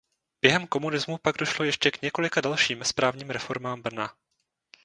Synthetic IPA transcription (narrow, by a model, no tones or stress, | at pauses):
b̥jɛɦɛmko̞munɪzmupaɡdo̞ʃlo̞jɛʃcɛkɲɛko̞lɪkadalʃiːmspɾʔaːvɲiːmɾɛfo̞ɾmaːmbr̩na